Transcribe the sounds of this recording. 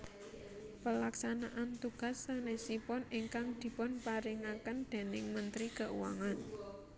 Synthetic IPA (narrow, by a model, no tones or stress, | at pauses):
pəlaksanaʔant̪uɡ̥a̤sːanɛsipɔniŋkaŋd̪̥i̤pɔnpaɾɪŋakənd̪̥e̤nɪŋmənt̪ɾikəʔṵwa̰ŋan